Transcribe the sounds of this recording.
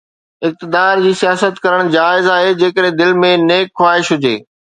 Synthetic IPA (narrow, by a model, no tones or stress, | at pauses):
ɪk̚t̪ɪd̪aːɾd͡ʑiːsijaːsət̪kɐɾəɽ̃d͡ʑaːɪzaːɦed͡ʑeːkəɗẽd̪ɪlmẽneːkxwaːɦɪʃɦʊd͡ʑeː